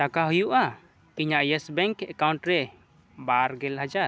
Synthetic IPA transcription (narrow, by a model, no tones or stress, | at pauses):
t̪akaɦujuʔa | iɲaʔjɛsbɛŋkɛkawɳʈɾɛ | baɾɡɛlɦad͡ʒaɾ